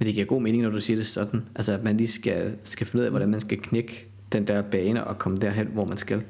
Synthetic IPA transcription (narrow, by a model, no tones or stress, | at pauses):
mend̥eɡiɐɡo̝̰ːme̝ːne̝ŋnɒd̥usiːɐd̥e̝sɒ̽d̥n̩ʔælsəædmænliːsɡ̥æsɡ̥æfenuð̰ˠɛʋɒdɾænmænsɡ̥ækʰneɡ̥ə | d̥end̥æɐb̥ɛːnəʔɒkʰɒməd̥æ̰ɐɦen̰ʋɒmænsɡ̥æl